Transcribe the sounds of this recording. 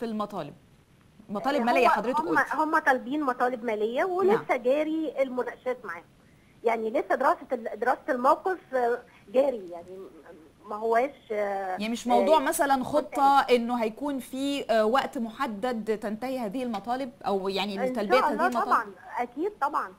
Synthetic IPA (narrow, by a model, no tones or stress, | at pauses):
filmɑt̪ˤɑːleb̚ | mɑt̪ˤɑːlebmællejːæħɑd̪ɾetekʔmːhomːæt̪ˤɑːlebiːnmɑt̪ˤɑːlebmæːlejːæwenlesːæɡæːɾielmonæʃæːt̪maʕaːho | jaʕnilesːæd̪eɾɑːsed̪eɾɑːseelmæwqef | ɡæːɾijaʕni | mæɦowːæːʃjmeʃmɑwd̪ˤuːʕmæsælænxot̪ˤːɑʔenːoɦæjkuːnfiːwæʔt̪moħad̪ːæd̪t̪ænt̪æhihæːðihilmɑt̪ˤɑːleb̚ʔæwjaʕnit̪ːælbeʔæhæːðihelmɑɑˤɑɑnʔækiːd̪̚t̪ˤɑbʕɑn